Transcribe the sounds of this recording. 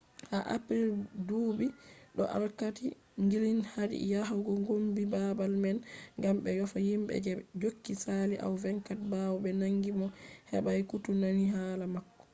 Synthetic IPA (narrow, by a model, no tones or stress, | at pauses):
haʔa̰pɾiɾduːbiɗɔ̰ʔa̰lkati | ŋɡilinhaɾḭjaɦawɡɔŋɡombibabalmɛnŋɡamɓɛjɔfahimɓɛ̰d͡ʒɛd͡ʒokːisaliʔa̰wvɛŋkat̚bawɔbɛnaŋɡimɔhɛ̰ɓajkutunaniɦaːlamakːɔ̥